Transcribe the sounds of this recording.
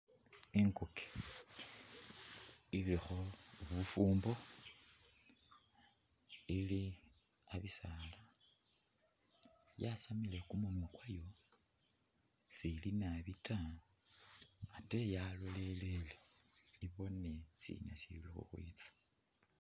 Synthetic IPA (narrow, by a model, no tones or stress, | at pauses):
iŋkuke̥ | ilixoβufuːmbo̞ | ili | aβisala | jasamilekumunwukwajo̞ | silinaβita | ate̞jaloleleleiβo̞nesḭna̰sḭlixṵxwḭt͡sḁ